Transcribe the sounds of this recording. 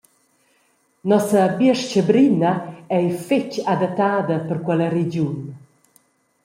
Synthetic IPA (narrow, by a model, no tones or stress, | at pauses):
nɔsəbiəʃt͡ʃəbɾinəɛjfet͡ʃad̪at̪ːaːd̪əpəɾkwɛləɾed͡ʒjun